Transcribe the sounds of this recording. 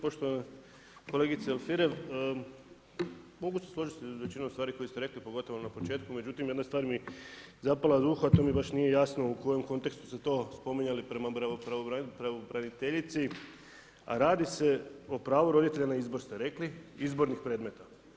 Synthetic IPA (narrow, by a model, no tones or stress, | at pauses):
po̞ʃt̪oane | kole̞ːɡit̪seelfiɾeʋ | mo̞ɡuseslˠo̞ʒit̪iʋet͡ʃinomsaːɾiko̞jest̪e̞ɾe̞klipoɡo̞t̪o̞ʋonapo̞t͡ʃeːt̪kume̞d͡ʑut̪imje̞d̪nast̪ʋaːɾmizapalad̪uxoat̪o̞ːmibaʃnije̞jaːsno̞uko̞je̞mko̞nt̪e̞kst̪u̥set̪o̞ːspo̞miɲalipɾemaɾapɾaʋopɾaʋobɾanit̪eʎit̪si | a̰ɾaːd̪ise̞o̞pɾaːʋuɾo̞d̪it̪e̞ʎanaizbo̞ɾst̪e̞ɾe̞kliizbo̞ɾnixpɾeːd̪me̞t̪a